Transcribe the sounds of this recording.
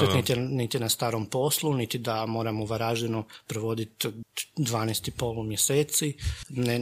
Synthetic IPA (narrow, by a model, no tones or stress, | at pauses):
enit̪jnit̪jnast̪aːɾompo̞slˠunit̪id̪amo̞ːɾamouʋaɾaːʒenopɾoʋo̞d̪it̪d̪ʋaːnest̪ipo̞ːlˠumjeseːt̪sine